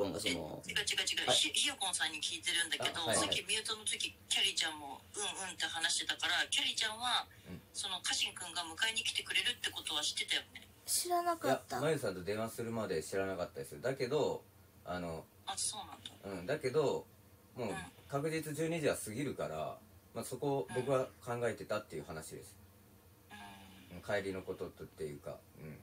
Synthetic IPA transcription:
oɡasono̰iɡat͡ɕiɡat͡ɕiɡaççiokõ̞sãɲ̟ːikʲiːt̪e̞ɾɯ̟̃nd̪ake̞d̪o̞sakʲːimʲiɯ̟t̪o̞not̪okʲikʲaɾʲit͡ɕãmmo̞ɯ̟̃ɰɯ̟̃nt̪e̞hanaɕi̥t̪e̞t̪akaɾakʲaɾʲit͡ɕãɰ̃βa | ɯ̟̃ɴso̞no̞kʰaɕĩŋkɯ̟̃ŋɡamɯ̟kaiɲ̟ikʲi̥t̪e̞kɯ̟ɾe̞ɾɯ̟t̪ːe̞ko̞t̪o̞β̞aɕi̥t̪ːe̞t̪ajone̞ | ɕiɾanakaat̪ːamajɯs̬ãnt̪o̞d̪ẽ̞ɰ̃ãsɨɾɯ̟mad̪e̞ɕiɾanakat̪ːad̪esɨjod̪ake̞d̪o̞ | ano̞ | aso̞ːnãnd̪aɯ̟̃ɴd̪ake̞d̪o̞ | mo̞ːkakɯ̟ʑit͡sɨʑɨːɲ̟iʑiβasɨɡʲiɾɯ̟kaɾa̰maso̞ko̞bo̞kɯ̟βakãŋɡae̞t̪e̞t̪at̪ːe̞jɯ̟hanaɕid̪e̞̰sɨ̥ | ɯ̃ːkʰaiɾʲino̞ko̞t̪o̞t̪t̪ːe̞jɯ̟ːka̰ɯ̟̃ɴ

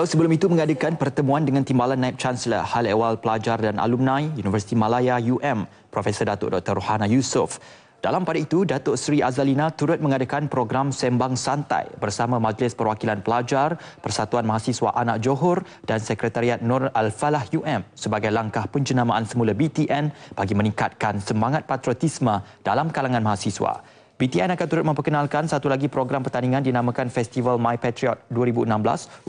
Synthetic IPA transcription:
ausəbəlʊmit̪umə̃ŋadəkanpərt̪əmũandəŋant̪imbalanːaip̚t͡ʃanslə̰halewalpəlad͡ʒardanʔa̰lumnãjjunivərsi̥t̪imãlajajuʔɛm | pɾofesərdat̪ʊ̰ʔdɔk̚t̪ərohanajusʊf | d̥a̰lampadait̪udat̪ʊʔsɾiʔazalinat̪uɾʊt̪̚mə̃ŋadakanpɾoɡɾamsɛmbaŋsant̪a̰jbərsamãmad͡ʒlɪspərwakilanpəlad͡ʒarpərsat̪uanmaɦasiswa̰ʔanak̚d͡ʒoɦʊr | d̥ansəkɾət̪aɾiat̪̚nɔralfalahjuʔɛmsəbaɡajlaŋkahpəɲd͡ʒənamaʔansəmulabit̪iʔɛnb̥aɡimə̃nĩŋkat̪̚kansəmaŋat̪̚pat̪ɾɔt̪ismə̃d̥alamkalaŋãnmaɦasiswa̰ | bit̪iɛnakant̪uɾʊt̪̚mə̃mpərkənalkansat̪ulaɡipɾoɡɾampərt̪aniŋãndinamãkanfɛst̪ivalmãjpɛt̪ɾiɔt̪̚duəɾibuənãmbla̰s

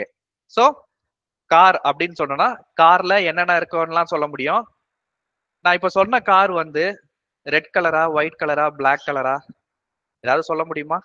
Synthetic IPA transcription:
eː | soː | kaːɾɐpːɐɽɪnːɯsɔnːɐnaːkaːɾlɐɛnːɐnːaːɪɾɯkːɐnlãːsɔlːɐmʊɽɪjʊ̃ | nãːɪpːoːsɔlːnɐkaːɾʋɐnd̪ɯ | ɾɛɖkɐlɐɾaːʋɐɪʈ̚kɐlɐɾaːbɭaːkːɐlɐɾaː | ɛðaːʋðɯsɔlːɐmʊɽɪjɯmaː

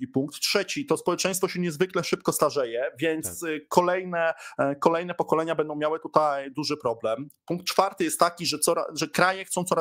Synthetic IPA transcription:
ipuŋk̚t̪ːʂɛt͡ɕit̪ɔspɔwɛt͡ʂɛ̃j̃st̪fɔɕɛɲɛzvɘklɛʂɘp̚kɔst̪aʐɛjɛvʲjɛnt̪skʰɔlɛjnɛkɔlɛjnɛpɔkɔlɛɲabɛnd̪ɔ̃wmjawɘt̪ut̪ajd̪uʐɘpɾɔblɛmpuŋk̚t̪t͡ʂfaɾt̪ɘjɛst̪ːakʲiʐɛt̪sɔɾa̰ʐɛkɾajɛxt̪sɔ̃w̃t̪sɔɾa

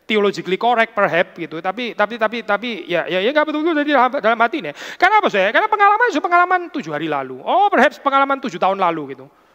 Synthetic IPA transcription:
t̪iolod͡ʒiklikoɾɛk̚pərɦɛp̚ɡit̪ut̪apit̪apit̪apit̪apijajajaŋɡaʔbət̪ʊlt̪udd͡ʒadidalamadalamɦat̪inɛkarnapas̬ujakarnapəŋalamans̬upəŋalamant̪ud͡ʒuhaɾila̰luʔɔpərɦɛp̚spəŋalamant̪ud͡ʒut̪aʊnlaluɡit̪u

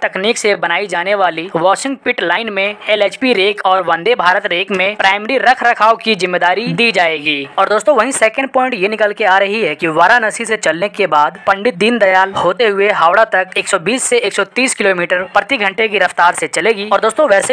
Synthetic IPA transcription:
t̪ɐkniːksebɐnaːid͡ʒaːneʋaːliʋɔːʃɪ̃ŋɡ̚pɪʈlaːɪnmẽeːleːt͡ʃpiɾeːkʰɔːɾʋɐ̃nd̪ebʱaːɾət̪ɾeːkmẽpɾaːɪmɾiɾɐkʰɾɐkʰaːokizɪmːeːd̪aːɾid̪iːd͡ʒaːeːɡiːɔːɾd̪oːst̪õʋɐɦĩsɛːkə̃ɳɖpɔ̃ːɪ̃ɳʈjenɪkəlkeaːɾɐɦiɦɛkiʋaːɾãnɐsiset͡ʃɐlnekebaːd̪pɐ̃ɳɖɪt̪̚d̪ind̪ɐjaːlhoːt̪eɦʊeɦaːʋɽat̪ɐkeːksɔbiːsːeeːksɔt̪iːskɪloːmiːʈəɾpɾɐt̪iɡʱɐ̃ɳʈek̬iɾɐft̪aːɾset͡ʃɐleːɡiːɔːɾd̪oːst̪õʋɛːse

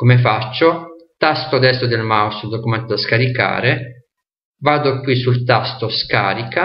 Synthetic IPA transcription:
komefat͡ʃːot̪ast̪od̪ɛst̪od̪elmawsod̪okumɛnt̪od̪askaɾika̰ːɾe | vaːd̪okwisult̪ast̪oska̰ːɾika

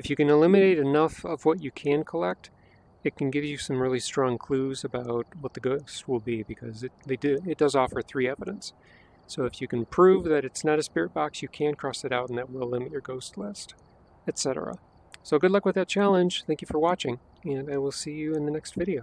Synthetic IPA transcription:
ɨfjɨkɨ̃nəlɪ̃mɨneɪɾɨnʌfʌvwʌt͡ʃɨkʰɨ̃nkʰəlɛk̚t | ɨt̚kʰɨ̃n̩ɡɪvjɨsʌ̃mɹɪlˠistɹ̥ɔ̃ŋkʰl̥uzɨbaʊt̚wʌt̪̚ðɨɡoʊst̚wɪlˠbibɨkʰʌzɨt̚ðɨ̥ɨɨt̚d̥ʌzɔfə˞θɹiɛvɨɾɨ̃nsː | oʊɨfjɨkɨ̃npʰɹ̥ʉvðɨɾɨtsnɨɾɨspɪɹɨt̚b̥ɑksjɨkʰæ̃nkʰɹ̥ɔsɨɾaʊɾn̩ðɨt̚wɪlˠlɪ̃mɨt͡ʃə˞ɡoʊstˡlɪst | ɨtsɛɾə̰˞ə̰ | soʊɡʊdˡlʌkwɨðɨt̚t͡ʃʰælˠə̃nʒ̥θæ̃ŋkjɨfə˞wɑt͡ʃɪ̃ŋ | ɨ̃naɪwɪlˠsijɨɨ̃nðɨnɛkstvɪɾioʊ

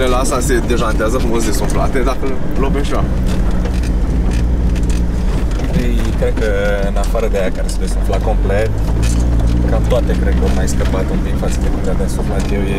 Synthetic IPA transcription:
elasase̞d̪e̞ʒant̪eazəfɾumos̬d̪e̞sofla̰t̪ed̪akə | lobeʃa | ej | kɾed̪̚kə | ɨnafaɾəd̪eajakaɾesuesaflako̞mplet̪ | kamt̪oat̪e̞kɾed̪̚kəomajskəpat̪unt̪iŋkfat̪səd̪ekumleabasofat̪jewje

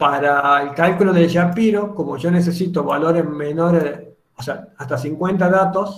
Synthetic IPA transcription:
paɾaelkalkuloðeʒapiɾoko̞moʒo̞nes̬esit̪o̞βa̰lo̞ɾemeno̞ɾe | oseaast̪asiŋkwe̞nt̪aðat̪o̞s

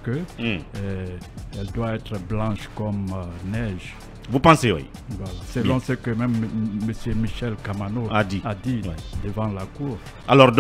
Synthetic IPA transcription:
kə | ɛld̪waɛt̪ʁəblɑ̃ʃkɔmnɛʒ | vupɑ̃sewḭ | vwalasəlɔ̃səkəmɛ̃mːəsjømiʃɛlkamanoad̪iad̪iwɛd̪əvɑ̃lakuːʁ | alɔʁd̪

